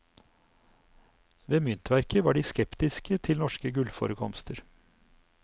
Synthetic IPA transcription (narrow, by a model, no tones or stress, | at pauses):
ʋeːmʏnt̪ʰʋæɾkʰəʋɑːɖiːskɛpt̪ɪskət̪ʰɪlnɔʃkəɡʉlfo̰ːɾəkʰɔmst̪ʰəɾ